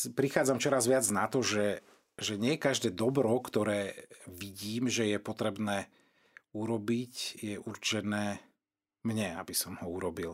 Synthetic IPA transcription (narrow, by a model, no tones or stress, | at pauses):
pɾixaːd͡zamt͡ʃɔɾazʋɪad͡znat̪ɔʒɛ | ʒɛɲɪɛkaʒd̪ɛːd̪ɔbɾɔkt̪ɔɾɛːʋiɟiːmʒɛjɛpɔt̪ɾɛbnɛː | uɾɔbicjɛʔuɾt͡ʃɛnɛː | mɲɛa̰bisɔmhɔuɾɔbil